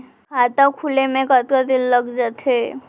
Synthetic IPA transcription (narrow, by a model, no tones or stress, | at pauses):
at̪akʰulemẽkət̪kəd̪illəɡd͡ʒət̪ʰe